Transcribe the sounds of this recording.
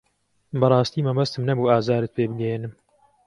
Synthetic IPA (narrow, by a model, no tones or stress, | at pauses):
bɐrˤɑːst̪iːmɐmɐst̪ɨmnɐbuːaːzaːɾɨt̪̚pʰeːbɨɡɐjeːnɨm